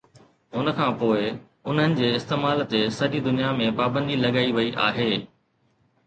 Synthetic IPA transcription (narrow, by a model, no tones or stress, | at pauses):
ʊnə̆kʰãːpoːɪ | ʊn̤ɦənɪ̆d͡ʑeːɪst̪eːmaːlt̪esɐɗid̪ʊnijamẽpaːbə̃nd̪ʱilɐɠaːiʋɐiʔa̰ːɦeː